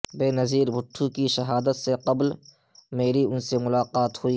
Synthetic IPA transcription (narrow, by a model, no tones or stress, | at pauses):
beːnɐziːɾbʱʊʈʰːukiʃɐɦaːd̪ət̪seqɐbl | meːɾiʊnsemʊlaːqaːt̪hʊiː